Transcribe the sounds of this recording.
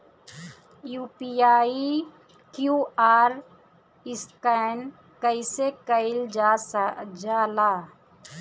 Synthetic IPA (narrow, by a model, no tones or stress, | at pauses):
juːpiaːi | kjuːaːɾ | ɪskan | kəɪsekəɪl | d͡ʒaːlaː